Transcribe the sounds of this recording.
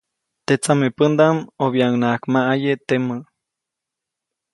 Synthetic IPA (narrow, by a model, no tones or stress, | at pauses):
t̪et͡samepənd̪amoβjaŋnakmaʔajet̪emə